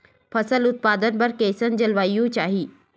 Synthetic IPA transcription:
pʰɐsəlʊt̪̚paːd̪ənpɐɾkeːsənd͡ʒɐlʋaːijũt͡ʃaːɦiː

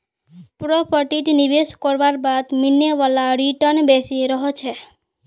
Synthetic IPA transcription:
pɾɔpəʈiʈnibeskɔɾʋaɾbad̪mineʋalaɾiʈənbesiɾɔɦɔt͡ʃʰe

